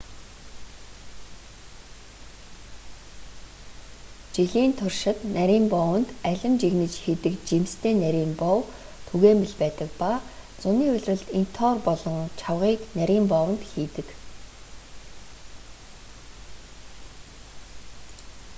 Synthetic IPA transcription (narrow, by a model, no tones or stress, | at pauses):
t͡ɕiɮiːnt̪ʰʊrʃɪ̆t̪næɾʲiːmpɔwə̆nt̪æɮʲɪ̆nt͡ɕiɣnɘ̆t͡ɕxit̪ɘ̆kt͡ɕimst̪ʰeːnæɾʲiːmpɔw | t̪ʰuɣeːmpiɮpæːt̪ə̆k̚pat͡sʊniːɵɮʲrə̆ɮt̪in̥t̪ʰɔːrpɔɮɞ̆ŋt͡ɕʰawʁiːknæɾʲiːmpɔwə̆nt̪xiːt̪ɘ̆k